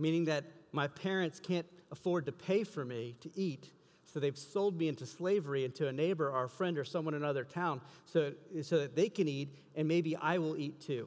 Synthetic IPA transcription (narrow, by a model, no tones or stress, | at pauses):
mĩnɪ̃ŋðɨt̚maɪpʰɛɹɨ̃ntskʰæ̃nt̚əfɔɹd̚tɨpʰeɪfə˞miɾɨʔit | soʊðeɪv̥soʊlˠd̚miɪ̃ntʉsleɪvə˞iɪ̃ntʰʉɨneɪbə˞aʊə˞fɹɛ̃ndə˞sʌ̃mwʌ̃ñɨnʌðə˞tʰãʊ̃nsoʊsoʊðɨt̪̚ðeɪkɨ̃niɾ | ɨ̃nmeɪbiʔa̰ɪwɪlˠitʰʉ